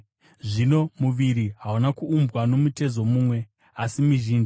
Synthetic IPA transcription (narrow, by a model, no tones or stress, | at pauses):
ʐino̞muʋiɾiɦaunakuːmbwano̞mute̞zo̞muːmwe̞ | asimiʒiːnd͡ʒi